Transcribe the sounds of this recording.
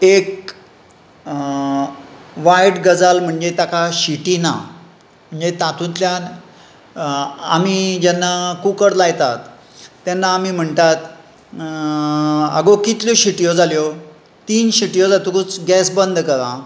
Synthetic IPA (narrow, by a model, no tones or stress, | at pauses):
ek̚ | ʋajʈɡəd͡zalm̤əɳd͡ʑet̪akaɕiʈiːna̰ | m̤əɳd͡ʑet̪at̪ʰũt̪ljan | a̰mid͡ʑɛnːakukəɾlajt̪at̪ː | ɛnːaːmim̤əɳt̪at̪ | ə̰ɡokit̪ljoɕiʈijod͡zaljo | t̪iːnɕiʈijod͡zat̪ukut͡sɡɛsbənd̪ʱkəɾã